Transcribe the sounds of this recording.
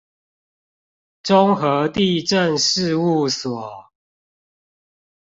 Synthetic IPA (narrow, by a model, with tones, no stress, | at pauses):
ʈ͡ʂʊ˦˥ŋxɤ˨˦t̪i˥˨ʈ͡ʂə˥˨nʂɻ̩˥˧u˥˨swɔ˨˩